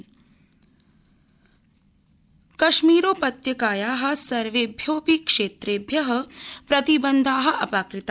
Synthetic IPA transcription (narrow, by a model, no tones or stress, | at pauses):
kɐʃmiːɾoːpɐt̪jɐkaːjaːɦɐ̆sɐɾʋeːbʱjoːpikʂeːt̪ɾeːbʱjɐɦɐ̆pɾɐt̪ibɐnd̪ʱaːɦɐ̆ʔɐpaːkɾit̪a